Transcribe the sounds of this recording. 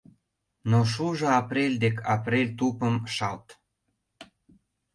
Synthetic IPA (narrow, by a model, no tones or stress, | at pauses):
noʃuʒɤɑprelʲd̪ekʰɑprelʲt̪upəmʃɑlt̪